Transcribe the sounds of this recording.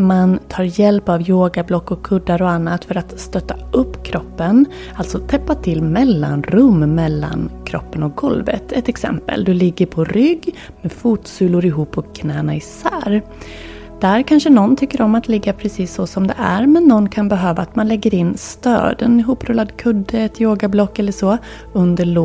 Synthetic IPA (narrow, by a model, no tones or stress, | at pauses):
mant̪ʰɑːɾjɛlpavjoːɡablɔkːɔkʰːɵd̪ːaɾɔanːat̪fœɾat̪st̪œt̪ːaʔɵpːkʰɾɔpːən | alt̪sɔt̪ʰɛpːat̪ʰɪlːmɛlːa̰nɾɵmːɛlːa̰nkʰɾɔ̰pːənɔk̚ɡɔlvə̰t̪ʰɛt̪ɛksɛ̰mpə̰ld̪ɵlɪɡːəɾpʰɔɾʏɡː | mɛfuːt̪sʉːlʊɾɪɦuːpːɔkʰːnɛːnaɪsæːɾ | d̪̥æɾkʰanʂənɔnːt̪ʰʏkːəɾɔmːat̪lɪɡːapʰɾɛsiːsːɔsɔmd̪ɛ̰ʔæɾmɛnːɔnːkʰanbɛɦøːvaːt̪manlɛɡːəɾɪnːst̪ø̰ːd̪ɛnɪɦuːpːɾɵlːad̪kʰɵd̪ːəɛt̪joːɡablɔkːɛlːəʂɔ | ɵnd̪əɭ